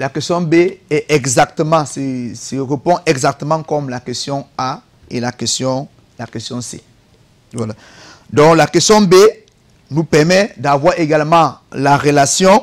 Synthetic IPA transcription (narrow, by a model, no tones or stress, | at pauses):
lakɛst̪jɔ̃beɛʔɛɡzak̚t̪əmɑ̃sɛseʁəpɔ̃ʔɛɡzak̚t̪əmɑ̃kɔmlakɛst̪jɔ̃a | elakɛst̪jɔ̃ | lakɛst̪jɔ̃sḛ | vwala | d̪ɔ̃klakɛst̪jɔ̃be | nupɛʁmɛd̪avwaʁeɡalmɑ̃laʁəlasjɔ̃